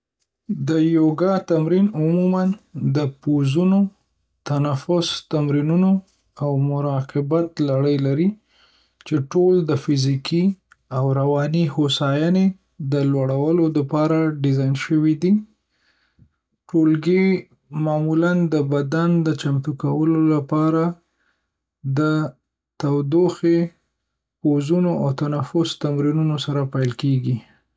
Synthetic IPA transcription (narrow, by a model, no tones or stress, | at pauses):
d̪əjoɡɑt̪amɾinʊmumand̪əpozuno | t̪anafʊst̪amɾinuno | awmʊɾɑqɪbat̪laɽəjlaɾi | t͡ʃeʈold̪əfɪzikʰi | awɾawɑnihosɑjɑne | d̪əlwaɽawəlod̪əpɑɾaɖɪzɑjnʃəwid̪i | ʈolɡe | mɑmuland̪əbad̪and̪ət͡ʃamt̪ukawəlolapɑɾa | d̪ə | t̪awd̪oxe | pozunoawt̪anafʊst̪amɾinunosaɾapajlkeɡi